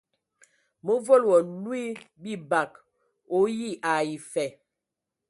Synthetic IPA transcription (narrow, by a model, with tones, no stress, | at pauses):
mə˦vo˦lwɔ˨lwi˦bi˦˨ba˨k | o˨˦ji˦˨ʔa˨i˨fɛ˨